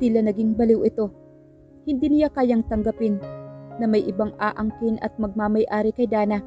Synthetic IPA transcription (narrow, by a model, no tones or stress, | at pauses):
t̪ilɐnɐɡɪŋbɐlɪwʔɪt̪o̞ | hɪnd̪inɪjakaːjaŋt̪ɐŋɡɐpɪnːɐmɐjʔɪbaŋʔaːʔɐŋkɪnʔɐ̰t̪̚mɐɡ̚mamɐjʔaːɾɪkɐjd̪aːnɐ